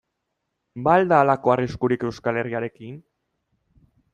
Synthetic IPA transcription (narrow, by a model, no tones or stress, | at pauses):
bald̪aːlako̞ariskuɾike̞wskale̞riaɾe̞kin